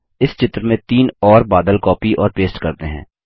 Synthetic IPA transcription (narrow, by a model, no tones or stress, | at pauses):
ɪst͡ʃɪt̪ɾmẽt̪iːnɔːɾbaːd̪əlkɔːpiʔɔːɾpeːsʈkɐɾt̪eɦɛ̰̃ː